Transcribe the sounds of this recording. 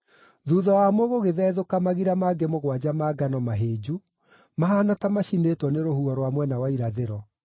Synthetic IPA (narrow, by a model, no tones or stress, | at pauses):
ðuðɔwamoɣoɣeðɛðokamaɣiɾamaɡemoɣwad͡ʑamaːɡanɔmaɦeːd͡ʑu | maɦanatamaʃinetwɔneɾohuɔɾwamwɛnawaiɾaðeɾɔ